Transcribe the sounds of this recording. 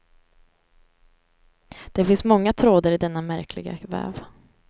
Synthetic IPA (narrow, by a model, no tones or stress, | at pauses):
d̪̥ɛfɪnsmɔŋːat̪ʰɾoːd̪əɾɪd̪ɛnːamæɾkʰlɪ̰ɡa̰vɛ̰ːv